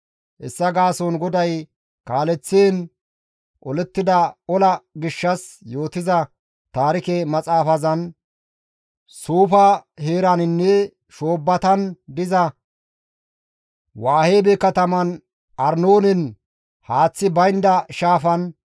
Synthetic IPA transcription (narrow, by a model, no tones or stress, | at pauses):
ʔɛsːɐɡaːsɔnɡɔd̪ɐj | kaːlɛt͡sːeːn | ʔɔlɛt̪ːɪd̪ɐɔlɐɡɪʃːɐsjoːt̪ɪzɐ | t̪aːɾɪkemɐt͡sʼaːfɐzɐn | suːfɐheːɾɐnɪnːɛ | ʃoːbːɐt̪ɐnd̪ɪzɐ | waːheːbɛkɐt̪ɐmɐn | ʔɐɾnoːnɪn | haːt͡sːɪbɐjnd̪ɐʃaːfɐn